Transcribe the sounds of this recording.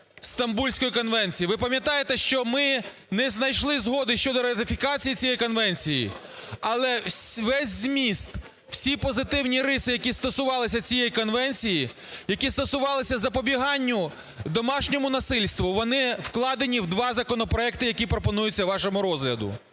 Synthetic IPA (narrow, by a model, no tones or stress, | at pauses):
st̪ɐmbulʲsʲkɔjikɔnʋɛnʲt͡sʲijiʋɪpɐmʲjɐt̪ɑjet̪ɛʃt͡ʃɔmɪ | nɛznɐjʃlˠɪzɦɔd̪ɪʃt͡ʃɔd̪ɔɾɐt̪ɪfʲikɑt͡sʲijit͡sʲijɛjkɔnʋɛnʲt͡sʲijḭ | ɐlˠɛsʋɛsʲzmʲist̪ | w̥sʲipɔzɪt̪ɪwnʲiɾɪsɪjɐkʲist̪ɔsʊʋɑlˠɪsʲɐt͡sʲijɛjikɔnʋɛnʲt͡sʲiji | jɐkʲist̪ɔsʊʋɑlˠɪsʲɐzɐpɔbʲiɦɑnʲːʊ | d̪ɔmɑʃnʲɔmʊnɐsɪlʲst̪ʋʊʋɔnɪwklˠɑd̪enʲiwd̪ʋɑzɐkɔnɔpɾɔɛkt̪ɪjɐkʲipɾɔpɔnujʊt͡sʲːɐʋɑʃɔmʊɾɔzɦlʲɐd̪ʊ̰